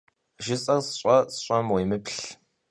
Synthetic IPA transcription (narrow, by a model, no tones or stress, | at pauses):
ʒɪsʼɐrsɕʼɐsɕʷʼɐmwejmɨpɬ